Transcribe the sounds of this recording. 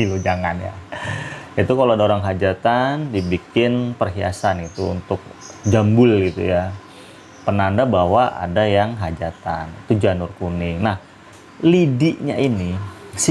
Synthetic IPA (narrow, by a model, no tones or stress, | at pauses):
ilud͡ʒaŋanja̰ | it̪ukaloadaoɾaŋɦad͡ʒat̪andibikɪnpərɦia̰sanɡit̪uṵnt̪ʊk̚d͡ʒambʊlɡit̪uja | pənandabawaʔa̰dajaŋɦad͡ʒat̪anḭt̪ud͡ʒanʊrkunɪnah | lidiʔɲa̰ʔinis